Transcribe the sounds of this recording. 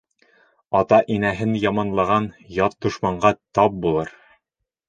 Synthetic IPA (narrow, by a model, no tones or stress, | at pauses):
ɒt̪ɑʔinæɦɘnjɒmɑnlˠɑʁɑnjɒt̪̚d̪ŏʃmɑɴɢɑt̪ɒp̚bulˠɤɾ